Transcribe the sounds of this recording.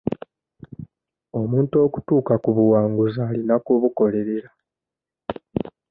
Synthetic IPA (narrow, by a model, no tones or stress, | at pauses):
o̞muːnto̞ːku̥tuːkakuβuwaːŋɡuzaːlinakuβuko̞le̞ɾe̞ɾa